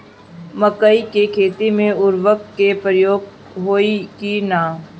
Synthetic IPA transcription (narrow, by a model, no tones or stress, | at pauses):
məkəikekʰeːt̪imẽʊɾʋək̚kepɾəjoːɡ | ɦoːikinaː